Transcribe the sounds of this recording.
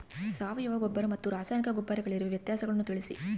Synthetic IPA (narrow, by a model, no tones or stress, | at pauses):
saːʋɐjuʋɐɡɔbːɐɾɐmɐt̪ːuɾaːsaːjnikɐɡɔbːaːɾiɡɐɭiɾuʋeʋjɐt̪jaːsɐɡɐɭɐnːut̪iɭisḭ